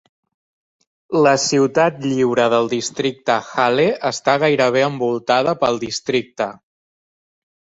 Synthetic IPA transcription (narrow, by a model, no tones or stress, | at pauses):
ləsiwt̪at̪ʎiwɾəðəlˠd̪ist̪ɾik̚t̪əxaleəst̪aɣ̞ajɾəβ̞eəmbulˠt̪að̞əpəlˠd̪ist̪ɾik̚t̪ə